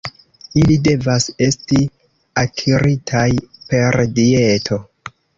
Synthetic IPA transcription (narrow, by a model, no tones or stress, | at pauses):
ilide̞vase̞sti | akʰiɾitʰajpe̞ɾdie̞tʰo̞